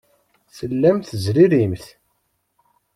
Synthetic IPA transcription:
θəlːæmθəzɾiɾimθ

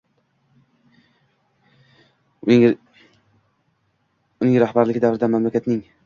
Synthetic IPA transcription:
ʊnɪŋɾahbaɾlɪɡʲɪd̪avɾɪd̪amamlakʲʰat̪nɪŋ

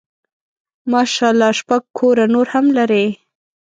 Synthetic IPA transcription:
mɑʃɑlɑʃpaɡ̚kʰoɾanoɾhamlaɾe

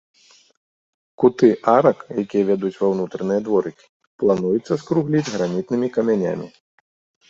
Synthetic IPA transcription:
kut̪ɨʔaɾɐkjakʲijɐvʲad̪ut͡sʲvawnut̪ɾɐnɨjɐd̪vɔɾɨkʲi̥ | plˠanujut̪sːɐskɾuɣlʲid͡zʲɣɾamʲit̪̚nɨmʲikɐmʲanʲa̰mʲḭ

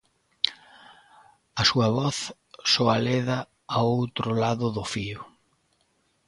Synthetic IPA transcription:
ɐsuɐβɔθ | sɔaleðɐ | aowt̪ɾʊlaðʊðʊfiʊ

